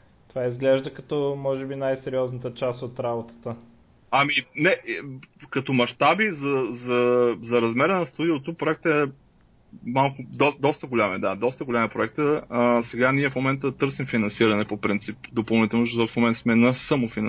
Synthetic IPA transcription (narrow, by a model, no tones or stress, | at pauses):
t̪ovaizɡlɛʒd̪əkɐt̪ɔmɔʒɛbinajsɛɾiɔznət̪ət͡ʃast̪ot̪ɾabot̪ə̥t̪ə | ɐminɛ | kɐt̪omɐʃt̪abizɐzɐzɐɾɐzmɛɾənɐst̪ud̪iot̪opɾoɛkt̪ɛ | malˠkʊd̪ɔd̪ɔst̪əɡolʲamɛd̪ad̪ɔst̪əɡolʲamɛpɾoɛk̚t̪əəsɛɡaniɛfmomɛnt̪ət̪ɤɾsimfinɐnsiɾɐnɛpopɾint̪sipd̪opɐlˠnit̪ɛlˠnoʃ̬t̪ɔt̪fmomɛnt̪smɛnɐsəmofin